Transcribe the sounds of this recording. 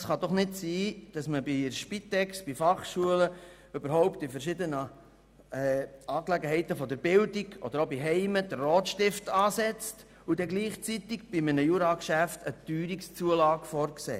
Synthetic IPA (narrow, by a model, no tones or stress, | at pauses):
sχɑd̥̪ɔχnɪtsiːd̥ɑsməbiʃpit̪ɛksb̥ifɑχʃuələ | øbəɾɦɔʊpt̪ifəɾʃɪd̪ənə | ɛɑːklɛɡəɦɛɪt̪əfɔd̪əɾbɪld̥iɡ̥ɔ̰d̥̪əɾobiɦɛɪməd̥̪ərːɔːtʃtɪftɑːsɛt͡st | ud̪ɛɡliːχt͡sit̪iɡ̥b̥imənəjuɾɑkʃæft̪ət̪yːɾikst͡suəlɑːɡfɔrksḛː